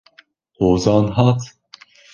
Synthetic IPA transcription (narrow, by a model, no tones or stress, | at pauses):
hoːzɑːnɦɑt̪